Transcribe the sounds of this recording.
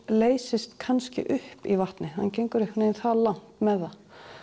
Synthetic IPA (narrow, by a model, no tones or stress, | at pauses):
leːjsɪst̪kʰanscɪ̰ʔʏhpivaht̪nɪha̰ncejŋkʏɾɪhkvɪnɪɪnθaðlawn̥t̪mɛðːa